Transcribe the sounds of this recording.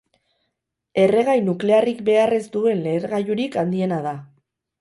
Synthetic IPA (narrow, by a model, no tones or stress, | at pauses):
e̞re̞ɣ̞ajnukle̞arikbe̞are̞zd̪ue̞nle̞ɾɣajuɾikand̪ie̞nað̞a